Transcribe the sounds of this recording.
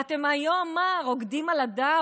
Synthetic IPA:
at̪emajomaʁoɡdimalad̪a

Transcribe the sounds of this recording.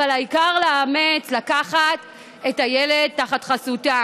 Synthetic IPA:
aalaikaʁlaːmet͡slakaχat | etajele̞d̚taχatχasuta

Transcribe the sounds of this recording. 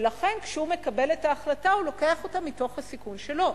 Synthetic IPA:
lɐχe̞nkʃeume̞kabe̞letaːχlataulo̞ke̞aχo̞tamito̞χhasikunʃe̞lo̞

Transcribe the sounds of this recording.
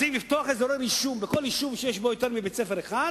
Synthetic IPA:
imlift̪oaχezoʁeviʃumbeko̞liʃumʃejeʃbojot̪eʁmibet͡sefeʁeχad

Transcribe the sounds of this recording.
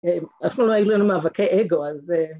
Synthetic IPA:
emafnuloajulanumavakʰeʔeɡo̞aze

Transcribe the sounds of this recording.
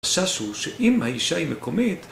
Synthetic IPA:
ʃaʃuʃeʔimhaiʃaimekomit̪

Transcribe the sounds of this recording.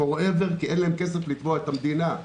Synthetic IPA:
oʁeveʁkienlaɦemkes̬eflit̪voet̪amd̪ina

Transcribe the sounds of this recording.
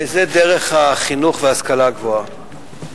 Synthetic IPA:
ezed̪eʁe̞χhaχinuχveaskalaɡvoa

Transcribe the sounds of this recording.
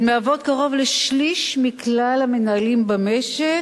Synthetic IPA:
meavo̞t̚kaʁo̞vleʃliʃmiklalamenaalimbameʃe

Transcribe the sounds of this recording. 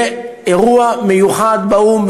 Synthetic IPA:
eʁuamejuχad̪baumb

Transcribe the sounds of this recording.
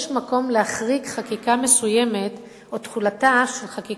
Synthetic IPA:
ʃmako̞mlehaχʁikχakikame̞sujeme̞t | o̞t̪χulataʃelχaki

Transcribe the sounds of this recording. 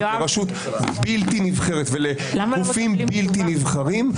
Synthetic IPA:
eʁaʃut̪ | bilt̪inivχe̞ʁet̪vele | ɡuffimbilt̪inivχaʁim

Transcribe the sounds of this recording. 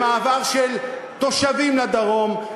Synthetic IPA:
maːvaʁʃel | t̪o̞ʃavimlad̪aʁo̞m

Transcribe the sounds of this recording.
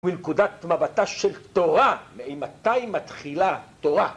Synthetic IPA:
minkudat̪mabat̪aʃelt̪oʁameejmat̪ajimːat̪χilat̪oʁa

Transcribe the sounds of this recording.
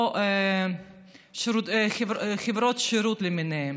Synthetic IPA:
ʃɾuχevχevɾot̪ʃeɾut̪lemineem

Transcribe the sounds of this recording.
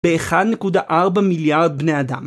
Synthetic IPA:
beːχad̪nekud̪aʔaʁbamiljaʁd̪̚bnead̪a̰m

